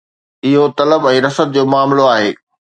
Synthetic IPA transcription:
ɪɦot̪ɐləbɛ̃ːɾɐsət̪̚d͡ʑoːmaːmloaːɦḛː

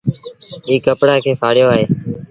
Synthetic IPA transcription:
iːkəpɽaːkʰeːfʰaːɽɪjoːaːɦeː

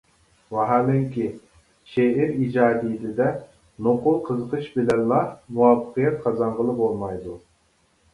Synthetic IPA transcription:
wɑɦɑlɪŋkʲi | ʃeiɾid͡ʒɑːd̪ijid̪ɪd̪ɛ | noqʊlˠqʰəzəqʰəʃbɪlɛnlˠɑmuwɑfə̥qijɛt̪̚qʰɑzɑɴʁəlˠɨpolˠmɑjd̪u

